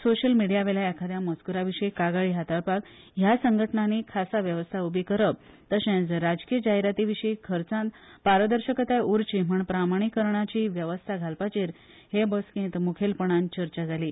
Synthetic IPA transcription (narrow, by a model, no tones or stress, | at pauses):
soɕəlmiɽijaʋelaɛkʰad̪ʱjamət͡skuɾaʋiʂəikaɡaɭiːɦat̪əɭpak | ɦjasəŋɡʱəʈnanikʰasaʋjəʋəst̪ʰaubʱikəɾəp̚ | t̪əɕẽd͡zɾad͡zkijəd͡ʑaɦiɾat̪iʋiɕəikʰəɾt͡sãnt̪ | paɾəd̪əɾɕəkət̪ajuɾt͡ɕim̤əɳpɾamaɽ̃ikːəɾɳat͡ɕiːʋjəʋəst̪ʰaɡʱalpat͡ɕiːɾ | hebəskẽt̪mukʰelpəɳ̃ãnt͡ɕəɾt͡ɕad͡zʱaliː